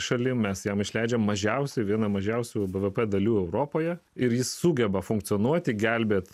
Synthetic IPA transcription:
ʃɐlʲɪmmʲɛsjɛmɪʃʲlʲæˑɪd͡ʒʲɛmːɐʒʲɛʊsʲɛɪʋʲiɛnɐmɐʒʲɛʊsʲuːbɛʋɛpɛd̪ɐlʲuːɛʊɾoːpoːjɛ | ɪɾjɪssuːɡʲɛbɐfʊŋkt̪sɨoɔnuɔt̪ʲɪɡʲɛlʲbʲeːt̪

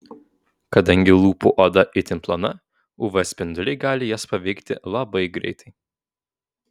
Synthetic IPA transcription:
kɐd̪ɐŋʲɡʲɪlˠuːpuʔod̪ɐʔɪt̪ʲɪnplˠɐnɐ | ʊʋɛsʲpʲɪnd̪ʊlʲɛɪɡɑːlʲɪjɛspɐʋʲɛɪkt̪ʲɪ̰lˠɐbɐɪɡɾʲɛ̰ɪt̪ʰɐɪ

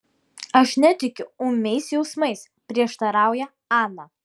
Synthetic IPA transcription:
ɐʃnʲɛt̪ʲɪkʲʊʊmʲɛɪsjɛʊsmɐɪs | pʲɾʲiɛʃt̪ɐɾɑˑʊjɛ | ɑːnɐ

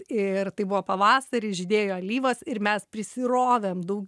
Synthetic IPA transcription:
ɪrt̪ɐɪbʊʋoːpɐʋɑːsɐɾʲɪʒʲɪd̪ʲeːjoːɐlʲiːʋɐsɪɾmʲɛspʲɾʲɪsʲɪɾoːʋʲɛːmd̪ɐʊɡʲ

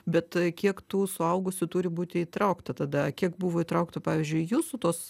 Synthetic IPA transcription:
bʲɛt̪kʲiɛkt̪uːsʊɐʊɡʊsʲʊt̪uːɾʲɪbuːt̪ʲɪiːt̪ɾɐʊkt̪ɐt̪ɐd̪ɐkʲiɛkbuːʋoːit̪ɾɐʊkt̪ɐpɑːʋʲiːzʲd͡ʒʲʊjuːsʊt̪oːs

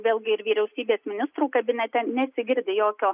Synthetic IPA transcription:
ʋʲeːlʲˠɡʲɪɪɾʋʲiːɾʲɛʊsʲiːbʲeːsmʲɪnʲɪst̪ɾuːkɐbʲɪnʲɛt̪ʲɛnʲɛsʲɪɡʲɪɾʲd̪ʲɪjoːkʲoː

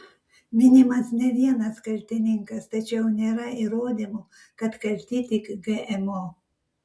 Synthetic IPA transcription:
mʲɪnʲɪmɐsnʲɛʋʲiɛnɐskɐlʲt̪ʲɪnʲɪŋkɐst̪ɐt͡ʃʲɛʊnʲeːɾɐiɾoːd̪ʲɪmo | kɐt̪kɐlʲt̪ʲiːt̪ʲɪkɡɛʔɛmo

